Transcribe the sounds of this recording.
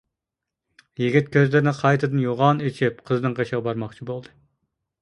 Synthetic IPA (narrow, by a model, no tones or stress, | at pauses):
jiɡʲit̪̚kʲʰøzlɪɾɪnɪqʰɑjt̪ʰɨd̪ɨnjoʁɑnet͡ʃʰip̚qʰəznɨŋqeʃəʁɑbɑɾmɑχt͡ʃʰibolˠd̪ɨ